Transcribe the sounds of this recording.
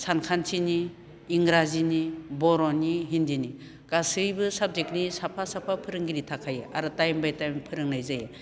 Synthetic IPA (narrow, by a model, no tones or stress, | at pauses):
sankʰantʰiniː | ŋɾazinibɔɾɔnːiɦindini | ɡ̥asɯjbɯsab̚d͡ʒek̚nisapʰasapʰapʰɯɾɯŋɡiɾitʰakʰajeʔaɾɯtajmbajtajmpʰɯɾɯŋnajzaje